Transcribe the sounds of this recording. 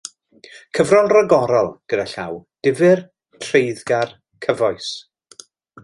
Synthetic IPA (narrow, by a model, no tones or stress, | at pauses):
kʰəvrɔnrəɡɔɾɔlˠɡ̥ədaɬawd̥ɪvɨr | tʰrejðɡar | kʰəvɔjs